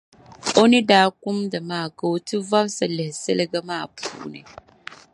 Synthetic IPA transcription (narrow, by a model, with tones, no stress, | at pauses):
o˦nɪ˦daː˦kʊ˦mda˨maː˦˨ɡo˨wtɨ˦va˦bsa˨lɪ˨hsɛ˦lɡa˦maː˦˨pʰṵː˦˨˦nɨ̰˨